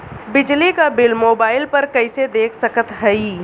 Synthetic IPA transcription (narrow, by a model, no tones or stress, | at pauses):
bɪd͡ʒlikabɪlmoːbaːɪlpɐɾkɐɪsed̪eːkʰsɐkət̪ɦɛi